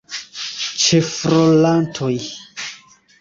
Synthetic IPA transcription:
t͡ʃefɾolantʰoj

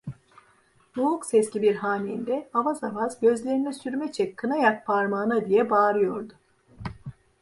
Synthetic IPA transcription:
ɾuɦuksɛscibiɾɦaːmiːnd̪ɛavazavazɟø̞zlʲe̞ɾinɛsyɾmɛt͡ʃʰɛkʰːɯnajak̚pʰaɾmaːnad̪ijɛbaːɾɯjo̞ɾd̪ʊ

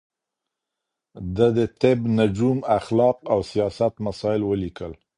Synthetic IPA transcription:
d̪əd̪ət̪ɪbnad͡ʒumaxlɑqawsijɑsat̪masɑɪlwəlikəl

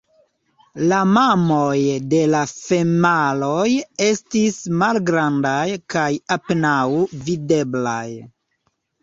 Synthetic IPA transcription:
lamamojde̞lafe̞malo̞je̞stismalɡɾandajkajapenawvide̞bla̰j

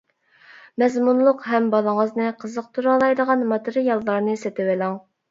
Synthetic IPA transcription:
mɛzmunlˠʊqɦɛmbɑlˠəŋəznɨqʰəzəq̚t̪ʰuɾɑlˠɑjd̪əʁɑnmɑt̪ɨɾɨjɑlˠːɑɾnɨsɛt̪ɪwɪlɑŋ

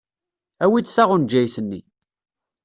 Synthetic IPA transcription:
æwit͡sːsæʁʊnd͡ʒːæjθənːḭ

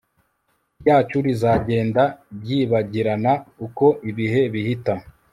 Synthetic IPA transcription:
jaːt͡ʃuɾizaɟe̞ːndabɟiːβaɟiɾanauko̞ʔiβiɦe̞βihita

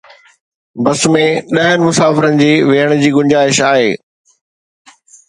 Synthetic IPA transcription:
bɐsmẽɗɐɦənɪ̆mʊsaːfɪɾənɪ̆d͡ʑiːʋeɦəɽ̃d͡ʑiːɡʊ̃ɲd͡ʑaːɪʃaːɦeː

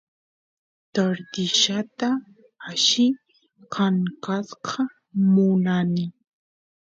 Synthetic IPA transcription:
t̪aɾd̪ɪʃat̪aː | ʃɪ | kʰaŋkasqʰɑ | mʊnanɪ

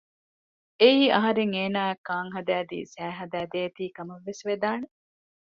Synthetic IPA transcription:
eiːɐɦɐɾeŋeːnaːekːaːŋɦɐd̪æːd̪ḭːsæːɦɐd̪æːd̪eːt̪iːkɐmɐʋːesʋed̪aːne

